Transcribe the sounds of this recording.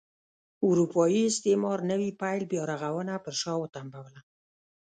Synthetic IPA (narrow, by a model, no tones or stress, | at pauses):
uɾupɑjiɪst̪emɑɾnəwipajlbjɑɾaɣawənapəɾʃɑwət̪ambawla